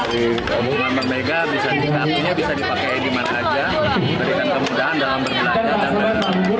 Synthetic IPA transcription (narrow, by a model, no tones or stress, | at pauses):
i | umanmanmeɡabisaikapiɲabisadipakaidimanaːd͡ʒa | daɾikankəmudaandalambərbəlad͡ʒaa | aaŋɡu